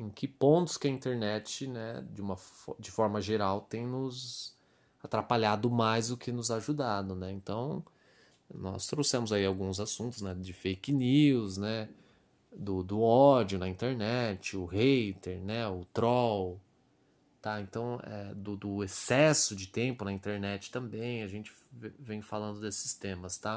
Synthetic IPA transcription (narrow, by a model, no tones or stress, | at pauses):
ẽkɪpõnt̪ʊ̥skɪɐĩnt̪eɾnɛt͡ʃɪnɛd͡ʒũmɐd͡ʒɪfɔɾmɐʒeɾawt̪ẽj̃nʊz | at̪ɾapaʎad̪ʊmajzd̪ʊkʰɪnʊzaʒud̪ad̪ʊnɛẽnt̪ɐ̃w̃ | nɔ̰st̪ɾowsẽmʊzaiawɡũzasũnt̪ʊznɛd͡ʒɪfejkniwznɛ | d̪ʊd̪ʊɔd͡ʒʊnɐĩnt̪eɾnɛt͡ʃɪʊhejt̪eɾnɛʊt̪ɾɔw | t̪aẽnt̪ɐ̃w̃ɛ̰d̪ʊd̪ʊesɛsʊd͡ʒɪt̪ẽmpʊnɐĩnt̪eɾnɛt͡ʃɪ̥t̪ɐ̃mbẽj̃ɐʒẽnt͡ʃɪ̥vvẽj̃falɐ̃nd̪ʊd̪esɪ̥st̪ẽmɐst̪a